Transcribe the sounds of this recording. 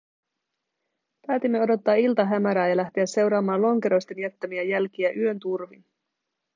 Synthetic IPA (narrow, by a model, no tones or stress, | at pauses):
pæːt̪imːe̞o̞do̞t̪ːɑːilt̪ɑɦæmæɾæːjɑlæht̪e̞æse̞wɾɑːmɑːnlo̞ŋke̞ɾo̞jst̪e̞njæt̪ːæmiæjælk̟iæʔyø̞nt̪urʋin